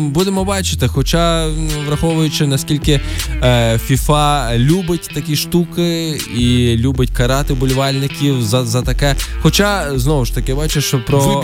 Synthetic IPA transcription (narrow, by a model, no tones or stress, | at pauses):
bud̪emɔbɑt͡ʃɪ̥t̪ɪxɔt͡ʃɑʋɾɐxɔʋʊjʊt͡ʃɪnɐsʲkʲilʲkɪ | fʲifɑlʲubɪtʲt̪ɐkʲiʃt̪ukɪilʲubɪtʲkɐɾɑt̪ɪbʊlʲʋɑlʲnɪkʲiwzɐzɐt̪ɐkɛxɔt͡ʃɑznɔʋʊʃt̪ɐkɪbɑt͡ʃeʃt͡ʃɔpɾɔ